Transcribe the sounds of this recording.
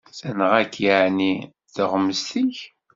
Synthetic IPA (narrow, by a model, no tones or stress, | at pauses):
sænəʁækːjaʕni | ðəʁməst̪iç